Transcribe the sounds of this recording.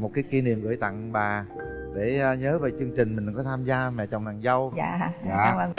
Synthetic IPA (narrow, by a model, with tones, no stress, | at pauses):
mo˨˩t̚kaː˨˦jki˧ni˨˩əmɣɨ̰˧˩˨jt̪a̰˧˨ŋɓaː˨˩ | ɗe˧˩˧ɲəː˨˦ve˨˩t͡ɕɨ˧əŋt͡ɕï˨˩ŋ̟mï˨˩ŋ̟kɔ˨˦t̪ʰaː˧mzaː˧mɛ̰˧˨t͡ɕɔ˨˩wŋ͡mna̰˨˩ŋzə˧wja̰ː˧˨˧ja̰ː˧˨˧ə˧˩ŋ